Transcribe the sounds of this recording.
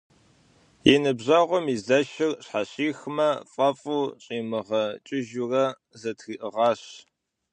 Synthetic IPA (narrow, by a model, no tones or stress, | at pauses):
jɪnɨbʑɐʁʷɔmizɐʃɪrɕħaɕiːxmɐfʼɐfʼuːɕʼiːmɨʁɐt͡ʃʼɪʒurɐ | zɐtʰxiːʔəʁɑːɕ